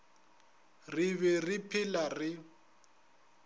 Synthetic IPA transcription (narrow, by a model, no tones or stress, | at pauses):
rɪβɛrɪpʰɪlarɪ